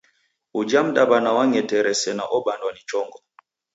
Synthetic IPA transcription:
ud͡ʒam̩dabanawaŋɛtɛɾɛsɛnaʔɔbandwanit͡ʃɔŋɡɔ

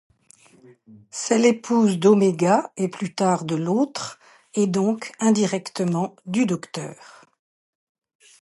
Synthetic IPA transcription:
sɛlepʰuzd̪omeɡaeplyt̪aʁd̪əlot̪χ | ed̪ɔ̃kɛ̃d̪iʁɛkt̪əmɑ̃d̪yd̪ɔkt̪œːʁ

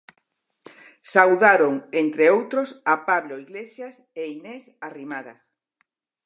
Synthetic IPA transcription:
sawðaɾoŋent̪ɾeowt̪ɾosapaβloiɣlesjas | einɛsarimaða̰s

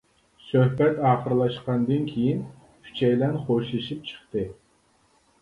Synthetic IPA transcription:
søhbɛt̪ɑːχəɾlˠɑʃqɑnd̪ɨnkʲʰejin | kʲʰy̥t͡ʃʰɛjlɛnχoʃɨʃip̚t͡ʃʰə̥χt̪ɨ

